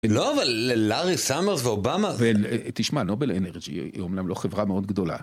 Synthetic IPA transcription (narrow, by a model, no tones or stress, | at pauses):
eloavalelaʁisameʁsveobamavet̪iʃmano̞beleneʁd͡ʒḭomnamlo̞χevʁameo̞d̪̚ɡd̪o̞la̰